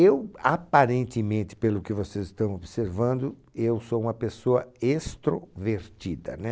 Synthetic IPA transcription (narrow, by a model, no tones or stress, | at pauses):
ewapaɾẽnt̪ɪmẽnt̪ɪ̥pelʊkɪvosezɪst̪ɐ̃w̃obɪseɾvɐ̃nd̪ʊ | ewsoũmɐpesoɐest̪ɾoveɾt͡ʃ̪id̪ɐ̰nɛ